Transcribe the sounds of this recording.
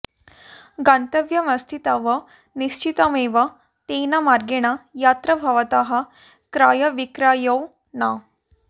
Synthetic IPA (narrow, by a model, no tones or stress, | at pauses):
ɡant̪əʋjɐmɐst̪ʰit̪aʋə | niɕt͡ɕit̪ameʋa | t̪enamaɾɡeɽ̃ajat̪ɾəbʱɐʋət̪aɦa | kɾaːjɐʋikɾajəw | na